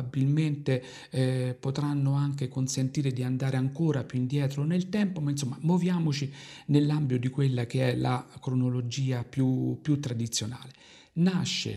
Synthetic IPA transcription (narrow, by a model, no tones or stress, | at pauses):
abilment̪e | pot̪ɾanːoaŋk̟ekonsent̪iːɾed̪iand̪aːɾeaŋkoːɾapjuind̪jɛːt̪ɾonelt̪ɛmpomainsomːamovjaːmot͡ʃinelːambjod̪ikwelːak̟eɛlakɾonolod͡ʒiːapjupːjut̪ːɾad̪it̪sːjona̰ːle | naʃːḛ